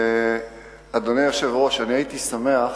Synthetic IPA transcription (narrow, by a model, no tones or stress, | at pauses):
ad̪o̞nejoʃevʁo̞ʃaniait̪isame̞aχ